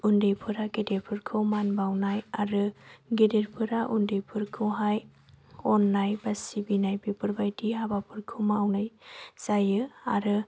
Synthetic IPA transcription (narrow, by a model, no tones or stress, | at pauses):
undejpʰɯɾaɡedepʰɯɾkʰɯwmanbawnajaɾɯɡedeɾpʰɯɾaʔundɯjpʰɯɾkʰɯwɦaj | ɔnːajbasibinajbipʰɯɾbajdiɦabapʰɯɾkʰɯwmawnajsajɯa̰ɾɯ